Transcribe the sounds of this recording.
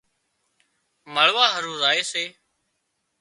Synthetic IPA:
məɭʋaːɦəɾũːɾaːeːseː

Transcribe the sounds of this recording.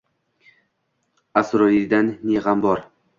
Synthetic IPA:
asɾɒid̪anːeʁambɒɾ

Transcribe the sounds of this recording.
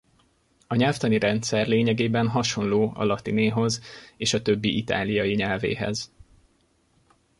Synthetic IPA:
ɒɲɛlft̪ɒniɾɛnt̪sɛrleːɲɛɡeːbɛnɦɒʃo̞nloːɒ̰lɒt̪ineːɦo̞zeːʃɒt̪ø̞bːiʔit̪a̰ːlijɒjiɲɛlvḛːɦɛ̰z

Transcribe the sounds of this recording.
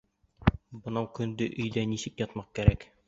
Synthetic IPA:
bɤ̆nɑwkɵ̆nd̪ɘʔɵ̆jd̪ænisɘ̆kjɒt̪mɑq̚kæɾæk

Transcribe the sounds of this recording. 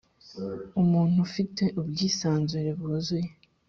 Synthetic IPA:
umuːn̥hufite̞ʔubɡiːsaːnzuɾe̞βozuje

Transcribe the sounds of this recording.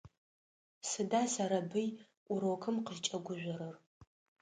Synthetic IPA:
sɨdaːsɐɾɐbɨj | ʔʷʊɾowkʰɨmqəʒt͡ʃʼɐɡʷʊʒʷɔɾɨr

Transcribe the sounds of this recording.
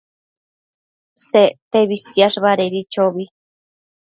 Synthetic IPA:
set̪eβisjaʂβaɾeɾit͡ʃoβi

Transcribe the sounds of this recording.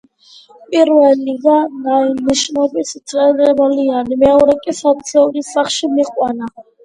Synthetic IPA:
pʼiɾwɛliɡanaimiʃnɔbisit̪ʰʼɛɾɛbalianimɛauɾɛkʼisat͡sʰɔɾisaχʃimiqʼwana

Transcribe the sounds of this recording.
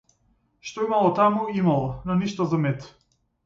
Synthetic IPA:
ʃt̪ɔimalˠɔt̪amuimalˠɔnɔniʃt̪ɔzamɛt̪

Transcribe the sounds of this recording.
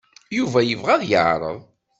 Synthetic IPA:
juvæjəvʁæðjə̰ʕɾˤə̰ðˤ

